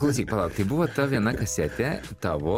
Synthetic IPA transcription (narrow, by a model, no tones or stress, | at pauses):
klˠɐʊsʲiːk̚ʲpɐlˠɑʊkt̪ɐɪbʊʋoːt̪ɐʋʲiɛnɐkɐsʲɛt̪ʲɛ | t̪ɑʋo